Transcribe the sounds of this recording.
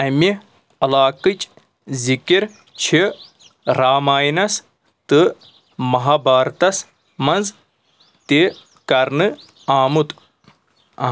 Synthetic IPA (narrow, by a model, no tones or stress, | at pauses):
ɐmi | ɐlaːkɨt͡ʃ | zikiɾ | t͡ʃʰi | ɾaːmaːjnɐs | t̪ɨ | mɐɦaːbaːɾt̪ɐs | mɐnz | t̪e | kɐɾnɨ | aːmut̪ | ɐ̰